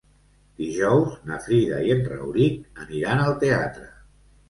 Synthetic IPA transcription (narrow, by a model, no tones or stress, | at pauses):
d̪iʒɔwznəfɾiðə̰iənrə̰wɾitəniɾanəlˠt̪ea̰t̪ɾə